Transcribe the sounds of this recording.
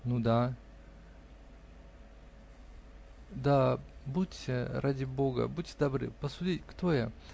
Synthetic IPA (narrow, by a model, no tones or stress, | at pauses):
nud̪a | d̪abutʲːɾʔadʲɪboɡə̰butʲːd̪ɐbɾɨ̰pəsʊdʲitʲkt̪oja